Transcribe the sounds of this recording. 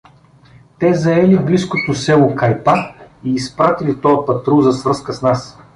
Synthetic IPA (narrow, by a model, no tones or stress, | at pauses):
t̪ɛzɐɛlibliskot̪osɛlˠokajpaiːspɾat̪ilit̪ɔɐpɐt̪ɾuzɐsvɾɤskəsnas